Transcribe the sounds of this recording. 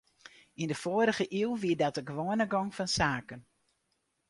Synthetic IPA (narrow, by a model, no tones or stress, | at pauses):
indəfoːəɾəɣəʔiwˠʋiədɔtəɡʋoːənəɡɔŋfɔnsaːkən